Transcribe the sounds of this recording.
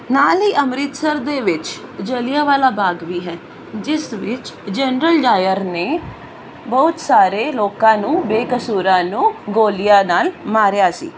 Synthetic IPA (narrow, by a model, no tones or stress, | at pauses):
naːlɦiːʔəmɾɪt̪səɾd̪eːʋɪt͡ʃd͡ʒəlɪjaːʋaːlaːbaːɡʋiːɦɛː | d͡ʒɪsʋɪt͡ʃd͡ʒɛnɾəlɖaːjəɾneː | bɔːʊt̪saːɾeːloːkãːnũːbeːkəsuːɾãːnũːɡoːlɪjaːnaːlmaːɾjaːsḭː